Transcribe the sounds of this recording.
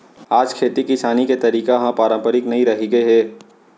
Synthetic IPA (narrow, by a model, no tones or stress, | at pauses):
aːd͡ʒkʰeːt̪ikɪsaːniket̪ɐɾiːkaɦãpaːɾə̃mpəɾɪknɐɦĩɾɐɦeɡeɦɛː